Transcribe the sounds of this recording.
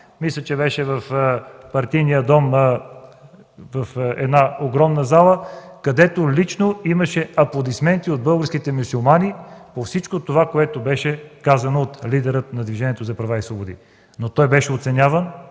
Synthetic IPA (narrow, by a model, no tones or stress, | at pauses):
mislʲət͡ʃɛbɛʃɛvɐfpɐɾt̪ijnijəd̪ɔm | vɐfɛ̰d̪naoɡɾɔmnəzalˠəkɐd̪ɛt̪olit͡ʃnoimɐʃɛɐplˠod̪ismɛnt̪iod̪̚bɤlˠɡəɾskit̪ɛmusulˠmanipofsit͡ʃkot̪ovakoɛt̪obɛʃɛkazɐnoːt̪lid̪ɛɾət̪nɐd̪viʒɛniɛt̪ozɐpɾɐvaisvˠobod̪ḭ | not̪ɔjbɛʃɛot̪sɛnʲavən